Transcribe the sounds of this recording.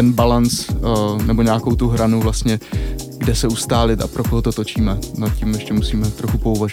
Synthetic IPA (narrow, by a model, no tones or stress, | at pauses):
ɛnbalant͡snɛbo̞ɲaːkowt̪uɦɾanuvlast̪ɲɛ | ɡdɛsɛust̪aːlɪt̪a̰pɾo̞koɦot̪o̞t̪o̞t͡ʃiːmɛnat̪cimjɛʃcɛmusiːmɛt̪ɾo̞xupouvaʒ